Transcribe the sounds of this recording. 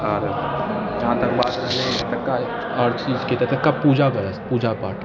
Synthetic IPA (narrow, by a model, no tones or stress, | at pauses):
aːɾd͡ʒɐɦãt̪ɐk̚baːt̪ɾɐɦẽt̪ɐkːae | ɔːɾt͡ʃiːzket̪ɛt̪ɐkːapuːd͡ʒaɡɐɾəspuːd͡ʒaba̰ːʈ